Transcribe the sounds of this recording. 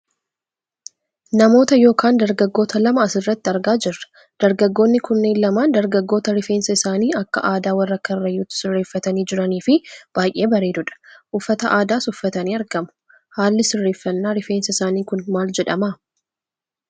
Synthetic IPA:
nɐmo̞ːt̪ɐjo̞ːkʰaːnd̪ɐɾɡɐɡːo̞ːt̪ɐlɐmɐːsɪrːɐt̪ːɪɐɾɡaːd͡ʒɪrːɐ̥ | d̪̥ɐɾɡɐɡːo̞ːnːɪkʊnːeːnlɐmaːnd̪ɐɾɡɐɡːoːt̪ɐɾɪfe̞ːnsɐɪsaːniːɐkːɐ̰ʔaːd̪aːwɐrːɐkːɐɪrːɐjuːt̪ːɪ̥sɪrːe̞ːfːɐt̪ɐniːd͡ʒɪɾɐniːfɪb̥aːjʔe̞ːbɐɾeːd̪ʊᶑɐ̥ʔʊfːɐt̪ɐʔaːd̪aːsʊfːɐt̪ɐniːɐɾɡɐmʊ̥ | haːlːɪsɪrːe̞ːfːɐnːaːɾɪfe̞ːnsɐɪsaːniːkʊnmaːld͡ʒɛᶑɐmaː

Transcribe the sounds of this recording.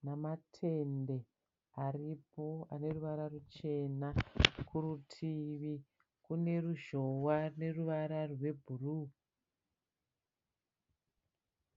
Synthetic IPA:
namatʰe̞nde̞ | aripo̞ane̞ruʋaɾarut͡ʃe̞nakʰurutʰiʋi | kune̞ruʒo̞wane̞ruʋaɾarwe̞bʱuru

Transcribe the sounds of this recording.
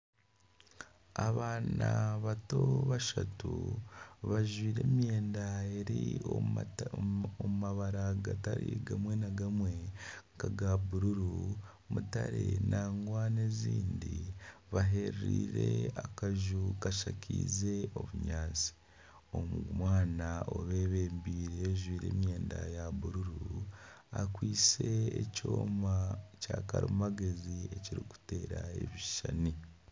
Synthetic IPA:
aβaːnaβato̞βaʃatu | βaʒwiːɾe̞ːmje̞ːndaeɾi | omumaβaɾaɡataɾḭɡamwe̞naɡamweŋkaɡabuɾuɾu | mutaɾenʔaːŋɡwaneziːndiβaɦe̞ɾɾiːɾe̞akaʒukaʃacʰḭːze̞o̞βuɲaːnt͡si̥ | omɡumwaːnaoβeːβeːmbiːɾeʒwiːɾe̞̰ːmje̞ːndajaβuɾuɾu | akwiːse̞ːcoːmacaːkaɾimaɡe̞zieciɾiku̥te̞ːɾaḛβiʃani

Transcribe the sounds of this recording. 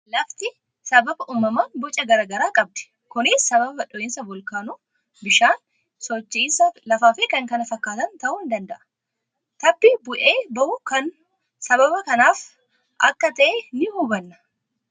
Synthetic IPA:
lɐft̪ɪ | sɐbɐbɐʔuːmːɐmaːnbɔt͡ʃʼɐɡɐɾaːɡɐɾaːkʼɐb̚d̪ɛ̥ | kʊnɪsːɐβɐbɐᶑɔʔɪnsɐbɔlkaːnu | bɪʃaːn | sɔt͡ʃːiːsɐlɐfaːfeːkɐŋkɐnɐfɐkːaːt̪ɐnt̪ɐʔʊːɪnd̪ɐnd̪ɐʔɐ̥ | t̪ɐbːɪbʊʔeːbɐʔʊkɐn | sɐβɐbɐkɐnaːf | ʔɐkːɐt̪ɐʔenɪhubɐnːɐ̥

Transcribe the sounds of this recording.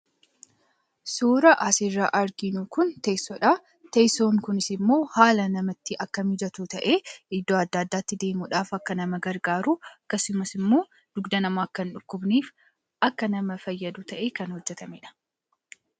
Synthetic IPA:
suːɾɐʔɐsɪrːaːʔɐɾɡɪnukʊnt̪esɔᶑa | t̪ejso̞ːŋkʊnɪsɪmːo̞ːhaːlɐnɐmɐt̪ːɪʔɐkːɐmɪd͡ʒɐt̪uːt̪ɐʔeːɪd̪ːoːɐd̪ːaːd̪ːaːt̪ːɪd̪e̞ːmuᶑaːfɐkːɐnɐmɐɡɐɾɡaːɾuːɐkːɐsʊmɐsɪmːo̞ː | d̪̥ʊɡd̪ɐnɐmaːkːɐnᶑʊkːʊbniːf | ɐkːɐnɐmɐfɐjːɐd̪uːt̪ɐʔeːkɐnhɔd͡ʒːɛt̪ɐmeᶑɐ̥

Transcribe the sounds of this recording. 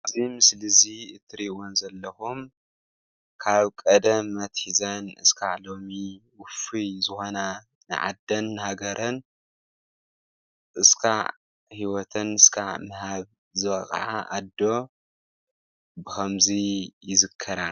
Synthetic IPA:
ʔzimɨslɨziɨt̪ʰːɨɾiwonzɐlːɐxum | kʰaβkʼɐd̪ɐmːɐt̪hizɐnɨskʰaʕlo̞miwʊfizɨxo̞na | nɨ̰ʕa̰d̪ɐnːhaɡɐɾɐn | ʔɨskʰa̰ʕ | hiwɔt̪ʰɐnɨskʰa̰ʕmɨhaβ | zɨβɐ̰xʼʕaʔad̪ːo̞ | bɨxʰɐmzijɪzɨkʰːɐɾa

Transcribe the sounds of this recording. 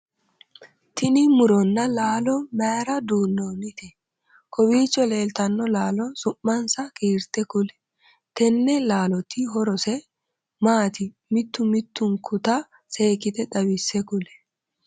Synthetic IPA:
t̪ʰɪnɪmʊɾɔnːɐlaːlɔmaːɾɐd̪uːnːoːnɪt̪ɛ | kʰɔwiːt͡ʃːɔle̞ːlt̪ɐnːɔlaːlɔsʊmːɐnsɐkiːɾt̪ɛkʊlɛ̥ | kɛnːɛlaːlɔt̪ːiɦɔɾɔsɛ | maːt̪ɪ | mɪt̪ːʊmɪt̪ːʊŋkʰʊt̪ɐ | se̞ːkɪt̪ɛᶑ̪ɐbɪsːɛkʊlɛ̥

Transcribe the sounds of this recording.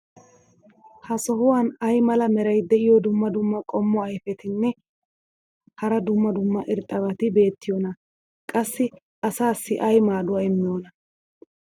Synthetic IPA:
hɐsɔhʊwaːnɐjmɐlɐmɛɾɐjd̪ɛʔɪjɔd̪ʊmːɐd̪ʊmːɐkʼɔmːɔɐjfɛt̪ɪnːɛ | hɐɾɐd̪ʊmːɐd̪ʊmːɐʔɪɾt̪ʼːɐbɐt̪ɪbe̞ːt̪ːɪjoːnɐ | kʼɐsːɪ | ɐsaːsːɪʔɐjmaːd̪ʊwɐɪmːɪjoːnɐ

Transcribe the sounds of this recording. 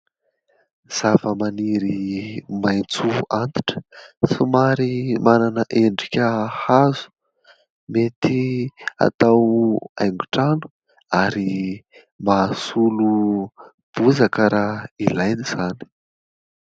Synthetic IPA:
z̥avəmaniɾimajt͡suant̪i̥ʈ͡ʂə̥sumaɾimananəʔeɳɖ͡ʐikʲəhazu̥ | met̪ia̰t̪awa̰jŋɡuʈ͡ʂanu̥ | aɾi | masulu | b̥uzakəɾailajniz̥ani̥

